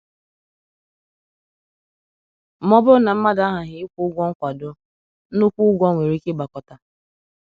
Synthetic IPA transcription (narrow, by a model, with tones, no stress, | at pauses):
mɔ˦bʊ˦na˨m̩˦ma˦da˨˦ɦa˨ɦɪ˦kʷu˦ʊ˦ɡʷɔ˦ŋ̩˦kʷa˨dʊ˦ | nʊ˦kʷu˦ɡʷɔ˦ŋʷe˨ɾi˦kɪ˦ba˨kɔ˨ta˨